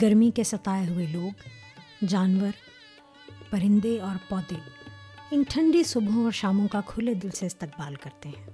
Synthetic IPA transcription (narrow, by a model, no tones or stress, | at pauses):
ɡɐɾmikesɐt̪aːeɦʊeloːɡ | d͡ʒaːnwəɾ | pɐɾɪ̃nd̪eɔːɾpɔːd̪e | ɪnʈʰɐ̃ɳɖisʊbʱõɔːɾʃaːmõkakʰʊled̪ɪlseɪst̪ɐk̚baːlkɐɾt̪eɦɛ̃ː